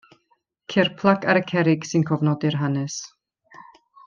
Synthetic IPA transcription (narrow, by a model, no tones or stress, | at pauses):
kʰɪrpʰlˠaɡaɾəkʰɛɾɪɡ̥sɪnkʰɔvnɔdɪrɦanɛs